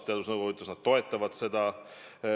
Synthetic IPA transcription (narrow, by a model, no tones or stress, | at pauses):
t̪eɑd̪usnɤwɡout̪ːˑɑsnɑd̪̥̚t̪ːo̞e̞t̪ːˑɑvɑd̪̥se̞d̪̥ɑ